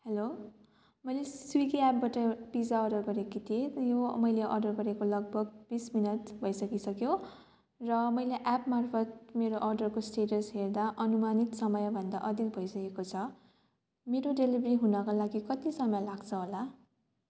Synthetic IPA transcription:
helo | mʌjleswikiap̚baʈʌb̥id͡zaʌɖʌrɡʌɾekit̪ʰiejomʌjleʔʌ̰rɖʌrɡʌɾekolʌɡ̚bʱʌɡbisminʌt̪bʱʌjsʌkisʌkjo | rʌmʌjleʔapmarpʰʌt̪̚meɾoʔʌrɖʌrkosʈeʈʌsɦerd̪aʔʌnumanit̪sʌmʌjbʱʌnd̪a̰ʔʌd̪ikbʱʌjsʌkekot͡sʰʌ | meɾoɖelibriɦunʌkalaɡikʌt̪isʌmʌjlaɡt͡sʰʌɦola

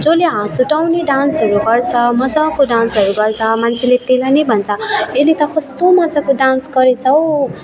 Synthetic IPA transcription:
d͡zoleɦãsuʈawneɖansɦʌɾuɡʌrt͡sʰʌmʌd͡zakoɖansɦʌɾuɡʌrt͡sʰʌmant͡sʰelet̪elanʌjbʱʌnt͡sʰʌelit̪ʌkʌst̪omʌd͡zakoɖansɡʌɾet͡sʰʌw

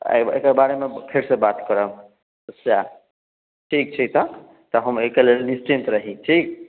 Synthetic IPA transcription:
a̰jḛkəbaɾemekʰeɾsẽbat̪kəɾəm | əsja | ʈʰik̚t͡ʃʰit̪ə | t̪ɔɦəmekelelnisʈint̪ɾəɦĩʈʰik̚

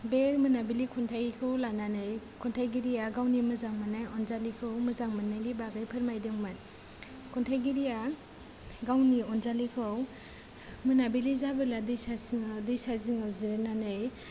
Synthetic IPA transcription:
beɾmɯnabilikʰuntʰajkʰɯwlananɯj | kʰɔntʰajɡiɾijaɡawnimɯzaŋmanajɔnzalikʰɯwmɯzaŋmɯnːajlibaɡɯjpʰɯɾmajdɯŋman | kʰɔntʰajɡiɾija | ɡawniɔnzalikʰɯw | mɯnabilizabɯladɯjsasŋdɯjsaziŋawziɾɯnanɯj

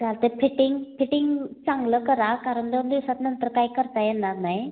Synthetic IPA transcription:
d͡zalt̪efiʈiŋɡfiʈiŋɡt͡saŋɡləkəɾakaɾəɳd̪end̪iwsat̪nənt̪əɾkajkəɾt̪ajɛnaɾnaj

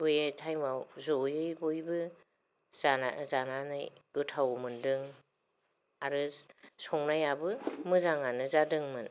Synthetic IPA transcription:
ujetʰajmawzɔjɯjbojbɯ | z̥ana̰zananɯ̰jɡ̥ɯtʰawmɯndɯŋ | aɾɯsɔŋnajabɯmɯzaŋanɯzadɯŋmɯn

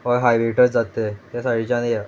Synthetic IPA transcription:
ʋaɾɦajʋeʈəɾd͡zat̪et̪jasaɽ̤it͡ɕãnja

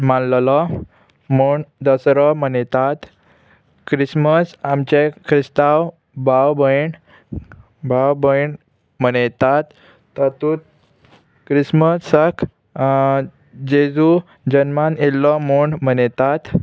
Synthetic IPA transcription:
mãnllɔ | muɳd̪əsɾɔmənet̪at̪ | kɾisməsamt͡ɕekʰɾist̪aw | bawbəjɳ | bawbəjɳ | mənet̪at̪ː | ət̪ut̪̚ | kɾisməsəkʰ | d͡ʑed͡zu | d͡ʑənmanelːɔmuɳmənet̪at̪

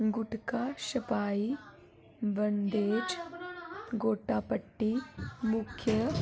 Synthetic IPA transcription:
ɡʊʈkaʃɐpaːi | bɐnd̪eːd͡ʒ | ɡoːʈaːpəʈːimʊkʰjə

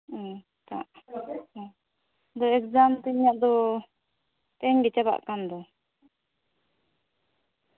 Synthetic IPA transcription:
t̪a̰ʔ | d̪ɔɛkd͡ʒamt̪iɲaʔd̪ɔ | p̪ɛɲɡɛt͡ʃaba̰ʔkamd̪ɔ

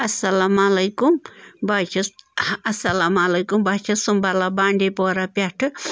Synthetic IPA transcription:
ɐsːɐlamɐlɐjkumbaːt͡ʃʰɐɐsɐlamɐlɐjkumbaːt͡ʃʰɐsumbɐlɐbaːɳɖipoːɾɐpɐʈʰːu

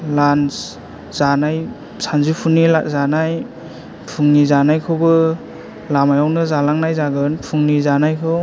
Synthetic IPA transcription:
lans | z̥anaj | sanzipʰunilazanaj | pʰuŋnizanajkʰɯwbɯ | lamajawnɯzalaŋnajzaɡɯnpʰuŋnizanajkʰɯw

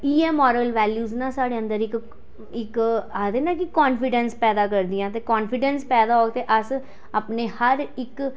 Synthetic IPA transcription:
iːɛːmɔːɾəlʋɛːljuːznãːsaːɽeːə̃nd̪əɾɪk | ɪkaːd̪eːnãːkɪkɔːnfʰɪɖənspɛːd̪aːkəɾd̪ijãːt̪eːkɔːnfʰɪɖənspɛːd̪aːoːɡ̚t̪eːʔəs | aːpneːhəɾɪk

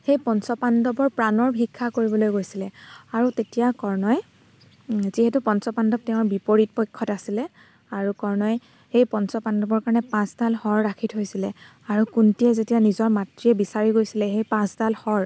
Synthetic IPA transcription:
xejpɔnsɔpandɔbɔɹpɹanɔɹbʱikʰːakoɹibɔlojɡojsilɛaɹutetijakɔɹnɔj | ziɦɛtupɔnsɔpandɔp̚tɛʊ̃ɹbipoɹit̚pojkʰːɔtasilɛ | aɹukɔɹnɔj | xejpɔnsɔpandɔbɔɹkaɹɔnɛpãstalxɔɹːakʰitɦojsilɛ | aɹukuntijɛzetijanizɔɹmatɹiɛbisaɹiɡojsilɛxejpãstalxɔɹ

